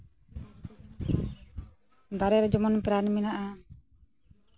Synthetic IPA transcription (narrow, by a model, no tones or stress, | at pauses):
d̪aɾɛɾd͡ʒɔmɔnpɾanminaʔa